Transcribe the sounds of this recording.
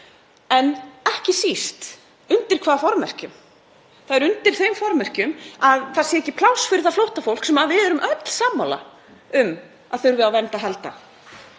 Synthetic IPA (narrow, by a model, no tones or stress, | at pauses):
ɛnɛhcɪsist̪ | ʏnt̪ɪɾ̥kʰvaːðafɔɾmɛr̥cʏm | θaðɛɾʏnt̪ɪɾ̥θejmfɔɾmɛr̥cʏmaðθasɛɛcɪpʰlawsfɪɾɪ̥θaflowht̪afowl̥ksɛmaðvɪðɛɾʏmʔœt̪l̥saːmːawla̰ | ʏm | aðθʏɾvɪðawvɛnt̪aɦɛlt̪a̰